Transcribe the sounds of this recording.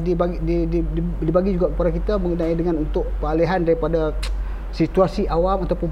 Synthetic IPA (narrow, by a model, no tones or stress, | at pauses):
dibaɡdididibaɡid͡ʒuɡakəpadakit̪aməŋɡunaidəŋanunt̪ʊʔ̚pəaleɦandaɾipada | sit̪uasiʔawamat̪awpʊn